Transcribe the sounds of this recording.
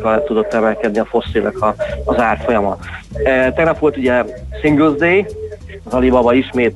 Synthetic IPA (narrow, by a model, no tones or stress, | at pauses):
kɒlt̪ud̪o̞t̪ːɛmɛlkɛd̪niɒfo̞sːilnɛkʰɒːzaːrfo̞jɒmɒ̰ | t̪ɛɡnɒpʋo̞lt̪uɟɛsiŋɡølzd̪eː | ɒzɒlibɒbɒiʃmeːt̪